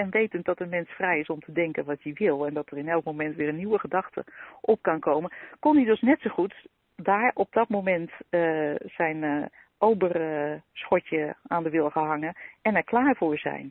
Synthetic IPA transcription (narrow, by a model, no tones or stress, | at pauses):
ɛnʋejtənt̚dɔtənmɛnsfrɛjɪsɔmtʰədɛŋkənʋɔtdiʋɪlˠɛndɔtərɪnɛlˠkmomɛntʋɪːrɾənːiwəχədɑxtʰə̰ʔɔp̚kankʰowmənkonidøsnɛtsoxut | daːɹɔp̚dɔt̚mowmɛntəsɛjn | owbərsxɔcjəaːndəʋɪlˠxəɦɑŋəɛnɛɹklaːɹvʊːɹzɛ̰jn